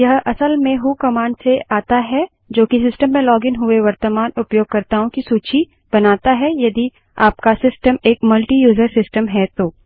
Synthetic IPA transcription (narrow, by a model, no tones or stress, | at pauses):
jɐɦɐsəlmẽɦukɐmaːɳɖseaːt̪aɦɛ | d͡ʒoːkisɪsʈəmːɛ̃lɔːɡɪnɦʊeʋɐɾt̪əmaːnʊpjoːɡ̚kɐɾt̪aɦũkisuːt͡ʃi | b̥ɐnaːt̪aɦɛjɐd̪i | a̰ːpkasɪsʈəmeːkmɐlʈijuːzəɾsɪsʈəmɦɛt̪oː